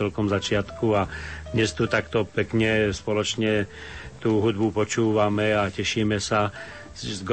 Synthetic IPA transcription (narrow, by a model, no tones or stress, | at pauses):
ɛlkɔmzat͡ʃɪat̪kuad̪ɲɛst̪ut̪akt̪ɔpɛkɲɛspɔlɔt͡ʃɲɛ | t̪uːɦud̪̚bupɔt͡ʃuːʋamɛacɛʃiːmɛsa | zɡ